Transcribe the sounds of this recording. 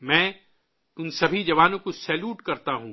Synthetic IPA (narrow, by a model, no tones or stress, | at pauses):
mɛ̃ː | ʊnsɐbʱid͡ʒɐʋaːnõkosɛːljuːʈkɐɾt̪aɦũː